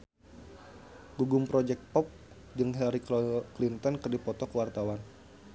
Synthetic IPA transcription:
ɡuɡʊmpɾɔd͡ʒɛk̚t̪̚pɔp̚ | d͡ʒɨŋɦɛɾikklint̪ɔnkərdipɔt̪ɔkəwart̪awan

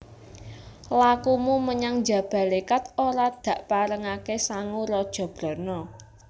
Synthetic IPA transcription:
lakumuməɲaŋd͡ʒä̤b̥ä̤lekat̪̚oɾad̪̥ä̤ʔpaɾəŋakesaŋuɾɔd̥ʒ̥ɔ̤b̥ɾɔ̤nɔ

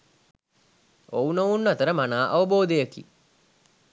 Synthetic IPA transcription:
ownounːɐt̪əɾəmanaːʔaʋəboːd̪ejəkḭ

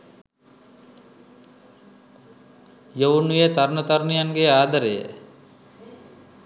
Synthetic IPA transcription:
jownujet̪aɾnət̪aɾnijaŋɡeaːd̪aɾejə̰

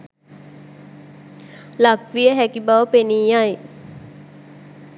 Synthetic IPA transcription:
lakʋijəɦækibaʋəpeniːaj

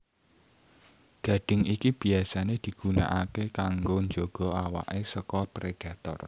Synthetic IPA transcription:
ɡ̥a̤ɖ̥ɪ̤ŋikib̥iasaned̪̥i̤ɡ̥una̰ʔakekaŋɡoɲd͡ʒoɡ̥ɔ̤awa̰ʔesəkɔpɾeɖ̥ä̤t̪ɔ̰r

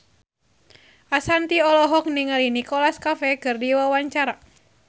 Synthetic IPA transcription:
ʔasant̪iɔlɔɦɔk̚niŋalinikɔlaskafɛkɨrdiwawaɲt͡ʃaɾa

